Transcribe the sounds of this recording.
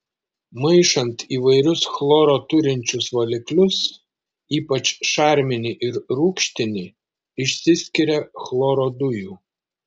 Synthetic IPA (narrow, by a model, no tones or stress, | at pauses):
mɐɪʃɐnt̪iːʋɐɪɾʲʊsxlˠoːɾoːt̪ʊɾʲɪnʲt͡ʃʲʊsʋɐlʲɪklʲʊs | iːpɐt͡ʃʃɑˑɾʲmʲɪnʲɪʔɪɾɾuːkʃʲt̪ʲɪnʲɪ | ɪʃʲsʲɪsʲkʲɪɾʲɛxlˠoːɾoːd̪ʊjuː